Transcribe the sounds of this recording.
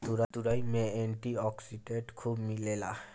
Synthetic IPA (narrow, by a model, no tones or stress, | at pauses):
t̪uɾat̪uɾajmeeɳʈiɔksiɖeɳʈkʰubmilela